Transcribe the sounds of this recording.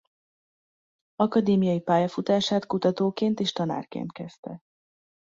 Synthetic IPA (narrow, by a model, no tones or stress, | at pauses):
ɒkɒd̪eːmijɒjipaːjɒfut̪aːʃaːt̪kut̪ɒt̪oːkeːnt̪eːʃt̪ɒna̰ːrkḛːnt̪kɛst̪ɛ̰